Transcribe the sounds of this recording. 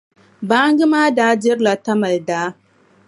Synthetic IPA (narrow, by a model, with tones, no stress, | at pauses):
ba˦ŋ˦ɡi˦maː˦daː˨˦d͡ʒɪ˦ɾla˨tɐ˦mɐ˨ldaː˦